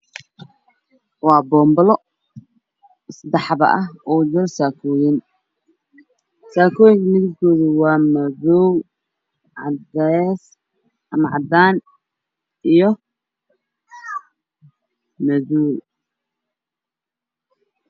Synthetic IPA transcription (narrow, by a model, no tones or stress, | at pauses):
wɑːbɔːmbɔlɔ | ɪsd̪ɛħβɐ̰ʔɐɦɔːdɔrsaːkʰɔːjɪn | saːkʰɔːjɪŋkʰnɪðɪɡkʰɔːðʊwɑːmɐðɔw | ʕɑdɛs | ʔɐmɐʕɑd̪aːn | ijɔ | mɐðɔw